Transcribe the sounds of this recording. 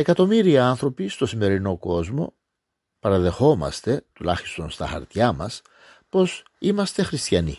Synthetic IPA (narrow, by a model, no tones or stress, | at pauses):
e̞kɐt̪o̞miɾiɐɐnθɾo̞pist̪o̞sime̞ɾino̞ko̞zmo̞̰ | pɐɾɐðe̞xo̞mɐ̰st̪e̞t̪ulɐçi̥st̪o̞nst̪ɐxɐ̰ɾt̪çɐmɐ̰s | po̞s | imɐst̪e̞xɾist̪çɐnḭ